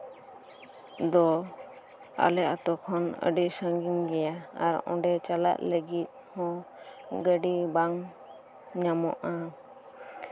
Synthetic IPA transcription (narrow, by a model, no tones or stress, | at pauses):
d̪ɔ | a̰lɛʔat̪ɔkʰɔnə̰ɖisãŋɡiŋɡɛjaaɾɔ̰̃ɖɛt͡ʃala̰ʔləɡit̪̚hɔ̃ | ɡəɖibaŋ | ɲamɔ̰ʔa